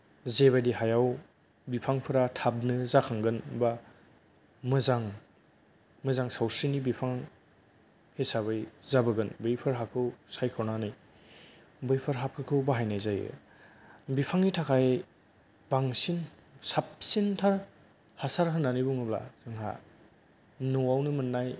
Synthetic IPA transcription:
zeβajdiɦajaw | bipʰaŋpʰɯɾatʰab̚nɯzakʰaŋɡɯnba | mɯzaŋ | mɯzaŋsawsinibipʰaŋ | hesaβɯjzabɯɡɯnbɯjpʰɯɾɦakʰɯwsajkʰɔwnanɯj | bɯjpʰɯɾɦap̚kʰɯkʰɯwbaɦajnajzajɯ̰ | bipʰaŋnitʰakʰaj | b̥aŋsin | sap̚sintʰaɾ | hasaɾɦɯnːanibuŋɯbla̰z̥ɯŋɦa̰ | nɔwawnɯmɯnːaj

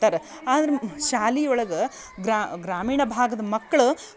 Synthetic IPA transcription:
t̪aːɾe | aːnd̪ɐɾeʃaːliɔɭɐɡɐ | ɡɾaːɡɾaːmiːɳɐbʱaːɡɐd̪ɐmɐkːɐɭu

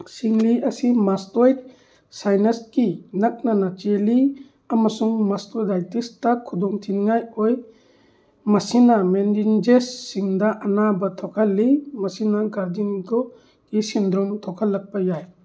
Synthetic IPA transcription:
siŋliʔɐsimastɔjt̚ | sajnɐskinak̚nanat͡ʃeli | amasuŋmastɔdajtistakʰːudɔŋtʰinŋajɔj | mɐsinamendind͡ʒesːiŋdaʔɐnabatʰɔkʰalːimɐsinaɡad͡ʒinɡɔ | kisind̪ɾɔmtʰɔkʰalːɐk̚pajaj

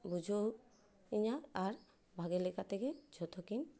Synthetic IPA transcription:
bud͡ʒʱo | iɲaaɾ | bʱaɡelɛkat̪ɛkɛd͡ʒʱɔt̪ʰokin

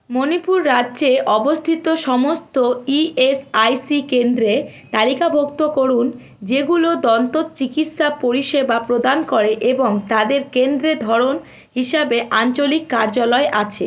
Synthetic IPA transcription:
monipuɾːadːd͡ʑeʔɔbost̪ʰit̪oʃɔmost̪oiesajsikend̪ɾe | t̪alikabʱokt̪okoɾun | d͡ʑeɡulod̪ɔnt̪ot̪t͡ɕikit̪ʃapoɾiʃebapɾod̪ankoɾeʔeboŋt̪ad̪eɾkend̪ɾed̪ʱɔɾon | ɦiʃabeʔant͡ɕolikːaɾd͡ʑalɔeʔat͡ɕʰe

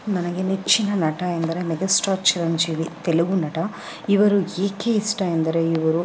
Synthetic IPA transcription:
mɐnɐɡenet͡ʃːinɐnɐʈɐend̪ɐɾemeɡɐsʈaːɾt͡ʃiɾɐnd͡ʒiːʋit̪eluɡunɐʈɐ | iʋɐɾueːkeisʈaend̪ɐɾe̞iʋɐɾu

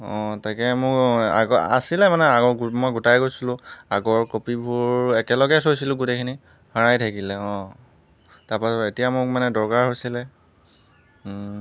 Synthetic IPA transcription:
ɔ̃tajkɛmʊka̰ɡɔa̰silɛmanɛaɡɔɹmojɡutajɡojsilʊ̃aɡɔɹkopibʱuɹɛkɛlɔɡɛsojsilʊ̃ɡutekʰini | haɹajtʰakilɛɔ̃ | taɹpasɔtetijamʊkmanɛdɔɹkaɹɦojsilɛ

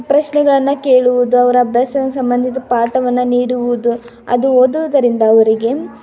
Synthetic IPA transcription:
pɾɐʃnɛɡɐɭɐnːɐkeːɭuʋud̪uɐʋɐɾɐbɾɐsɐnsɐmbɐnd̪ʱit̪ɐpaːʈɐʋɐnːɐniːɽuʋuud̪u | ɐ̰d̪uoːd̪uʋud̪ɐɾind̪ɐːʋɐɾiɡe̞

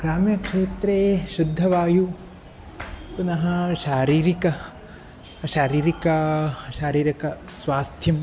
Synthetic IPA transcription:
ɡ̥ɾaːmjɐkʂeːt̪ɾeːʃud̪ʱːɐʋaːju | punɐɦɐ̆ʃaːɾiːɾikɐ | ʃaːɾiːɾikɐʃaːɾiːɾɐkɐsʋaːst̪ʰjɐm

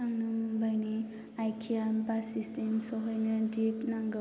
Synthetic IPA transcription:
aŋnubajni | ajkʰijambasisemsɔɦɔjnad͡ʒiknaŋɡa

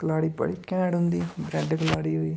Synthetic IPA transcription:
kəlaːɽiːpə̰ɽiːkɛ̃ːɽɦʊ̃nd̪iːbɾɛɖkəlaːɽiːɦʊiː

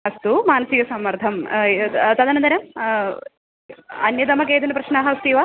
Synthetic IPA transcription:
ɐst̪umaːnɐsikɐsɐmːɐɾt̪ʰɐm | t̪ɐd̪ɐnɐnd̪ɐɾɐm | ɐnjɐd̪ɐmɐkeːt̪̬ɐnɐpɾɐʂnaːɦɐɐst̪iːʋa

